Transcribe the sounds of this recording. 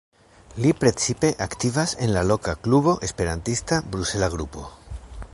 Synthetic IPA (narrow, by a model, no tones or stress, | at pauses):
lipɾe̞t͡sipe̞ʔakt̪ivase̞nlalo̞kakluβo̞ʔe̞spe̞ɾantist̪abɾuse̞laɡɾupo̞̰